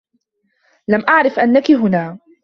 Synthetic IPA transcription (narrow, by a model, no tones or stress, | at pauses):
lamʔaʕɾˤɪfʔanːakɪɦʊnaː